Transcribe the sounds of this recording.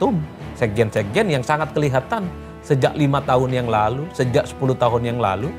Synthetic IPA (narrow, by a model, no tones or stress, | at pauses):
t̪ʊm | sɛɡɛnsɛɡɛnjaŋsaŋat̪̚kəliɦat̪an | səd͡ʒaʔlimat̪aɦʊnjaŋlalusəd͡ʒaʔsə̥pulut̪aɦʊnjaŋla̰lu